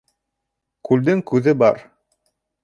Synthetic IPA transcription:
kʉld̪ɘŋkʉðɘbɑɾ

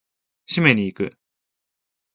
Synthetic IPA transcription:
ɕime̞ɲ̟iːkɯ̟̰

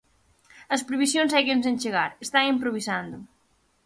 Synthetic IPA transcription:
ɐspɾeβisjõŋsajkensẽnt͡ʃeɣaɾest̪aŋimpɾoβ̞isand̪ʊ

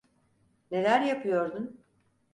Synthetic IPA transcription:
ne̞lʲæɾjapʰɯjo̞ɾd̪un

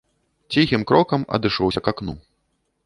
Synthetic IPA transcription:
t͡sʲixʲimkɾɔkɐmɐ̰d̪ɨʂɔwsʲɐkaknṵ

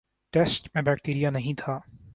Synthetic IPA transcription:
ʈɛsʈmẽbɛːk̚ʈeːɾijanɐɦĩt̪ʰaː

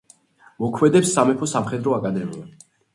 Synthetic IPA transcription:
mɔkʰmɛd̪ɛpsːamɛpʰɔsamχɛd̪ɾɔakʼad̪ɛɾɛ

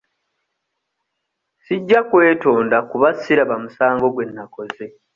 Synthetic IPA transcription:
siɟːakwe̞ːto̞ːndakuβasiɾaβamusaːŋɡo̞ɡwe̞nːako̞ze

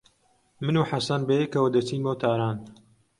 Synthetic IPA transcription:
mɨnuːħasɐnbejekɐwɐd̪ɐt͡siːnmowt̪ʰaːɾaːn

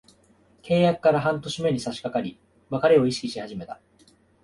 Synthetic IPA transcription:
kʰe̞ːjakɯ̥kaɾaɦãnt̪o̞ɕime̞ɲ̟isaɕi̥kakaɾʲi | makaɾe̞o̞iɕi̥kʲiɕihaʑime̞t̪ḁ

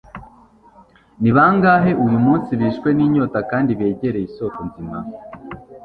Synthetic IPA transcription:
niβaŋɡaːɦe̞ʔujumuːnsiɾiʃkwe̞niːɲo̞takaːndiβe̞ːɟe̞ɾe̞iso̞tonzima̰

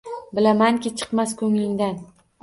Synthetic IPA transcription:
bɪlamaŋkʲɪt͡ʃʰɨ̥qmaskʲʰɵŋlɪŋd̪an

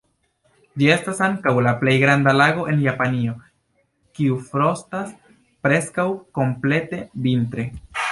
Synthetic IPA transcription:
d͡ʒie̞stasaŋkawlaple̞jɡɾandalaɡo̞ʔe̞njapanio̞ | kiufɾo̞stas | pɾe̞skawko̞mple̞te̞vintɾe̞

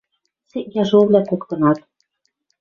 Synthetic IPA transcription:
seʔjɑʒoβlʲækokt̪ɤ̆nɑt̪

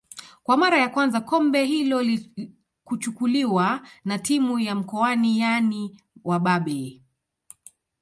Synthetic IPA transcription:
kwamaɾajakwanzakɔmbɛɦilɔl | kut͡ʃukuliwanatimujam̩kɔanijani | waɓaɓɛ

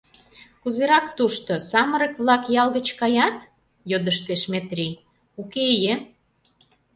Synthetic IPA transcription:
kuzeɾɑkt̪uʃt̪osɑmə̆ɾə̆kβlɑkjɑlɣə̆t͡ɕkɑjɑt̪ | jod̪əʃt̪eʃmet̪rʲi | ukeje

